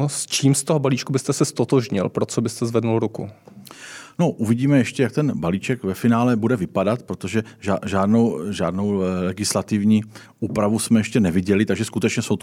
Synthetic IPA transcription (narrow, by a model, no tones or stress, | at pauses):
st͡ʃiːmst̪oɦobaliːt͡ʃkubɪst̪ɛsɛst̪ot̪oʒɲɪ̰lpɾot͡sobɪst̪ɛzvɛdnulɾukṵ | no̞ʔuvɪɟiːmɛjɛʃcɛjak̚t̪ɛnbaliːt͡ʃɛkvɛfɪnaːlɛbudɛvɪpadat̪pɾot̪oʒɛaʒaːdnowʒaːdnowlɛɡɪslat̪ɪvɲiː | uːpɾavusmɛjɛʃcɛnɛvɪɟɛlɪt̪aɡʒɛskut̪ɛt͡ʃɲɛsowt̪